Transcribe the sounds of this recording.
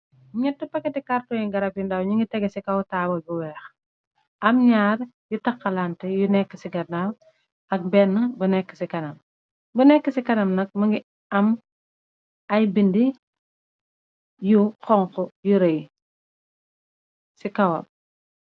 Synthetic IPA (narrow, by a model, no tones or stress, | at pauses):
ɲɛtːupɐkːɛtikartɔjiŋɡɐɾɐpjundɐwɲiŋɡitɛɡɛsikɐwtaːwɐbuwɛːx | ʔɐmɲaːrjutɐkːɐlantɛjunɛkːəsiɡɐnaw | ɐk̚bɛːnːɐbɐnɛkːə̥sikɐnɐm | bɐnɛkːəsikɐnɐmnɐk̚mɐŋɡi | ɐm | ɐjbindi | jukɔŋkɔjuɾɐj | sikɐwɐ̰p̚